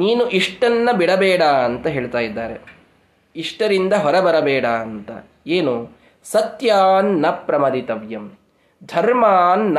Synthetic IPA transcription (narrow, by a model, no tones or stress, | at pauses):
niːnuʔiʂʈɐnːɐbiɽɐbɛːɽaɐnt̪ɐɦe̞ːɭt̪aːjid̪ːaːɾe | iʂʈɐɾind̪ɐɦɔɾɐbɐɾɐbɛːɽaɐnt̪ɐ̰ | eːnu | sɐt̪jaːnːɐpɾɐmɐd̪it̪ɐʋjɐm | d̪ʱɐɾmaːnːɐ